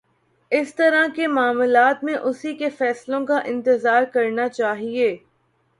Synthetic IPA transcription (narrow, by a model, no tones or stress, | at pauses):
ɪst̪ɐɾakemaːmʊlaːt̪mẽʔʊsikefɛːslõkaʔɪ̃nt̪ɪzaːɾkɐɾnat͡ʃaːɦieː